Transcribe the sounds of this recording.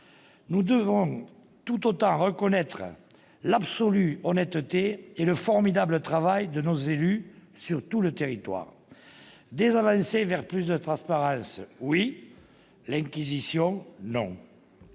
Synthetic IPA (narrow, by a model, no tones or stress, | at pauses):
nud̪əvɔ̃ | t̪ut̪ot̪ɑ̃ʁəkɔnɛt̪χə̰ | labsɔlyɔnɛt̪t̪eeləfɔʁmid̪ablət̪χavajd̪ənozelysyʁt̪ulət̪eʁit̪wa̰ʁ | d̪ezavɑ̃sevɛʁplys̬d̪ət̪χɑ̃spaʁɑ̃swi | lɛ̃kizisjɔ̃nɔ̃